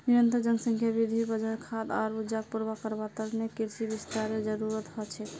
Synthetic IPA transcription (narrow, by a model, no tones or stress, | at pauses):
niɾənt̪ɾəd͡ʒəŋɡsə̃ŋkʰjabid̪ʱibəd͡ʒəɾkʰad̪a̰ɾud͡ʒak̚puɾbakəɾbat̪əɾnekiɾsibist̪aɾed͡ʒəɾuɾət̪ɦɔt͡ʃʰɛ